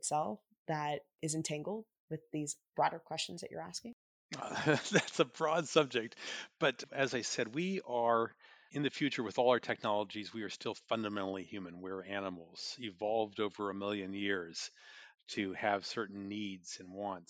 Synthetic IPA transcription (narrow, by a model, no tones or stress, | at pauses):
tsɛlˠf | ðɨɾ | ɨzɨ̃ntʰæ̃ŋɡl̩ˠd̚wɨðizb̥ɹɔɾə˞kʰw̥ɛst͡ʃn̩zðɨ̰t͡ʃə̰˞æskɪ̃ŋ | ðætsəbɹɔdsʌb̚d͡ʒɨk̚t̚b̥ʌɾɨzaɪsɛd̚wiə˞ɨ̃nðɨfjʉt͡ʃə˞wɨðɔlˠaə˞tʰɛk̚nɑlˠəd͡ʒizwiə˞stɪlˠfʌ̃ndɨmɛ̃ñl̩ˠihjʉmɨ̃nwɛɹænəml̩ˠz̥ɪvɑlˠvdoʊvə˞ɨmɪlˠjɨ̃njɪɹz̥tʰɨɨv̥sɜ˞ʔn̩ːidz̥ɨ̃nwɑ̃nt